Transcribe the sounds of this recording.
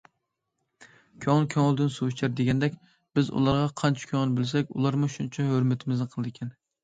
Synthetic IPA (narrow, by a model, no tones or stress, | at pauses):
kʲʰoŋkʲʰoŋlˠd̪ɪnsuwt͡ʃʰæɾd̪eɡʲɛnd̪ɛkʲ | b̥ɪzṵlˠɑɾʁɑqʰɑnt͡ʃʰɛ̥kʲʰøŋnbɪlsɛkʲṵlˠɑɾmʊʃunt͡ʃʰɛɦøɾmɪt̪ʰɪmɪznɪqʰəlˠɨd̪ɪkʲʰɛn